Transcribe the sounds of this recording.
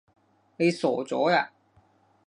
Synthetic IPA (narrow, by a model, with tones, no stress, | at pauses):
ne˨˧jsɔː˨˩t͡sɔː˨˥aː˧